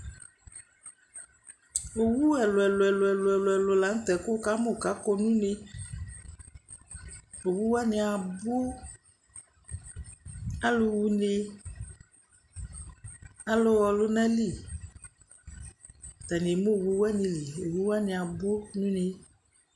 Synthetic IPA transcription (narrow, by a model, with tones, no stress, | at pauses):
o˨wu˦ɛ˨lo˨ɛ˨lo˨ɛ˨lo˨ɛ˨lo˨ɛ˨lo˨ɛ˨lo˨la˨˦ŋ̩˦t̪ɛ˨ko˦ka˦mo˦˨ka˨˦kɔ˦nũ˦ne˦ | o˨wu˦wa˦ne˨a˨bo˦ | a˦lo˨wu˦ne˦ | a˦lo˦wɔ˨lo˦nɛ̃˦li˦˨ | t̪a˨ni˨mo˦˨wu˦wa˦nĩ˨li˨o˨wu˦wa˦ni˨a˨bo˦nũ˦ne˨